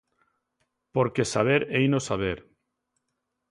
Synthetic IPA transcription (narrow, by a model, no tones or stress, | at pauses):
poɾkesaβ̞eɾejnosaβ̞eɾ